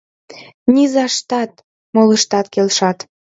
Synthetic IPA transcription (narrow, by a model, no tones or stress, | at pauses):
nʲizɑʃt̪ɑt̪̚ | moləʃt̪ɑt̪kelʃɑt̪